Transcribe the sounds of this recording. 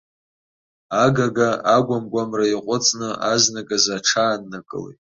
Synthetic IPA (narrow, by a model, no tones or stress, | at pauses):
aɡaɡaaɡʷamɡʷamraiqʷʼʊt͡sʼnɨaznakʼazaʈ͡ʂʰaːnːɨkʼɨ̰lḛjtʼ